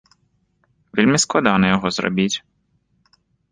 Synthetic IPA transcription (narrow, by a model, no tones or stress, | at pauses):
ʋʲilʲmʲisklˠɐd̪ɑnɛjɔɦɔzrɔ̰bʲitʲ